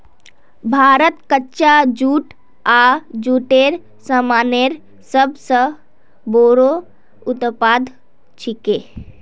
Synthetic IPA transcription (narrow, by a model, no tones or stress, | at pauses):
bʱaːɾət̪kətːʃad͡ʒuːʈ | ad͡ʒuːʈeːɾ | səmaːneɾ | səbsə | boːɾo | ʊt̪paːd̪ʱ | t͡ʃʰikeː